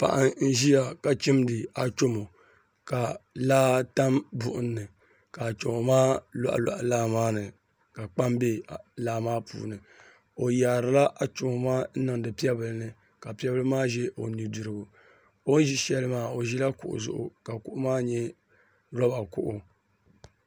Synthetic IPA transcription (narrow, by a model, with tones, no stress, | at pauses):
pa̰˨ʔa˦ŋn̩˦ʒi˦ja˨ka˨t͡ʃi˦mdɨ˨a˨t͡ʃo˦mo˨ | ka˨laː˦ta˦mbʊ̰˨ʔʊ˦nːɨ˨ | ka˨t͡ʃo˨mo˨maː˦la̰˨ʔla̰˨ʔlaː˦maː˦nɨ˨ | ka˨k͡pa˦mbe˦˨laː˦maː˦pṵː˨nɨ˨ | o˨jaː˨ɾɨ˨la˦ʔa˨t͡ʃo˨mo˨maː˦n̩˦nɨ˨ŋdɨ˨pi˦ɛ˦bɨ˨lɨ˨nɨ˦ | ka˨pi˦ɛ˦bɨ˦lɨ˦maː˦ʒɛ˦ʔo˨ni˨dʊ˨ɾɨ˨bʊ˨ | o˦n˦ʒi˦ʃɛ˦lɨ˦maː˦o˨ʒi˦la˦kʊ̰˨ʔʊ̰˨zʊ̰˦˨ʔʊ̰˨ka˨kʊ˦ʔʊ˦maː˦ɲɛ˦ | ɾɔ˦ba˨kʊ̰˦ʔʊ˦